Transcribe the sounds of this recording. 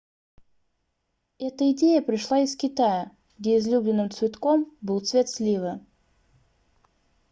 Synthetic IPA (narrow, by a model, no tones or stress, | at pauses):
ɛt̪əɪdʲejəpɾʲɪʂlˠaɪskʲɪt̪ajə | ɡ̥dʲeɪzlʲublʲɪnːɨmt̪svʲɪt̪kombɨlˠt̪svʲet̪slʲivɨ